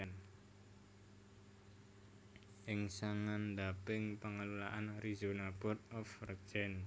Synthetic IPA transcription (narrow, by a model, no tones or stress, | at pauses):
n | ʔɪŋsaŋand̪apɪŋpəŋəlulaʔanrizunab̥ɔt̪̚ɔfrəkd͡ʒɛn